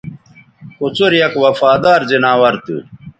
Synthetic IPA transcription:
kut͡suɾjɐkwɐfaːd̪aːɾzinaːwɐɾt̪ṵ

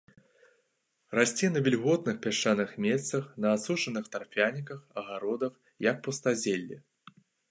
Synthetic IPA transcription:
rasʲt͡sʲɛnɐvʲɛlʲɣɔt̪nɨxpʲaʂt͡ʂːanɨxmʲet̪sɐxnɐːsut͡ʂɐnɨxt̪arpʲanʲikɐxɐɣaɾɔd̪ɐx | jɐk̚pɐst̪azʲelʲːḭ

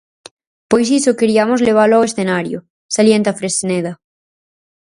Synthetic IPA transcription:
pojs̬isokeɾiamozleβ̞aloawesθenaɾjo̰ | saljent̪afɾesneða

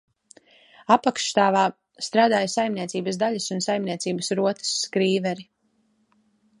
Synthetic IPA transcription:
apakʃt̪aːvaː | st̪ɾaːd̪aːjsajmniɛt̪siːbəsd̪aʎɐsunsajmniɛt̪siːbəsɾuɔt̪ə̥sːkɾiːvɛɾi

